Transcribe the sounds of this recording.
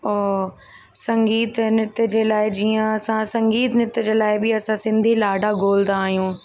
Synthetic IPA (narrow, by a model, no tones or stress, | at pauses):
ɔː | sɐ̃ŋɡiːt̪nɪt̪əd͡ʑeːlaːɪd͡ʑiːə̃ɐsãsɐ̃ŋɡiːt̪nɪt̪əd͡ʑeːlaːɪbɪɐsãsɪ̃nd̪ʱilaːɖʱaɡoːld̪aːɦjũː